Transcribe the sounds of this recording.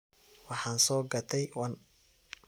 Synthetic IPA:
wɑħɑːnsɔːɡɐt̪ʰɛjwɐn

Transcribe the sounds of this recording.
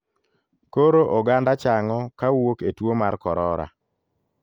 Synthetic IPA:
koɾoʔoɡandat͡ʃaŋɔkawoketwomarkɔɾɔɾa̰

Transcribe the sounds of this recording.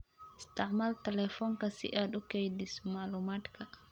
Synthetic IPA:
ist̪aʕmalt̪elɛfɔnkasḭʔaɗukejdisumalumat̪ka

